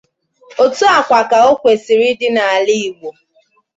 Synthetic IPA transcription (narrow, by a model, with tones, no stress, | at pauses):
o˨tu˦a˨kʷa˨ka˨o˦kʷe˨si˨ɾi˦dɪ˦na˨a˨lɪ˦i˨ɡ͡bʷo˨